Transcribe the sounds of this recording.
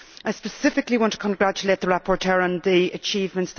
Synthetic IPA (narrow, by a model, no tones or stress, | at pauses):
aɪspəsɪfɪkliwɒ̃ntʰə̥kʰə̃nɡɹat͡ʃəleːt̪̚ðəɹapʰɔɹtʰɜːɹə̃nðiət͡ʃʰiːvmə̃nts